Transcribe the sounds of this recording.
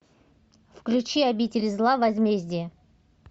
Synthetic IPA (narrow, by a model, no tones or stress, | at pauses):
fklʲʉt͡ɕiɐbʲitʲɪlʲzlˠavɐzʲmʲezʲdʲɪjə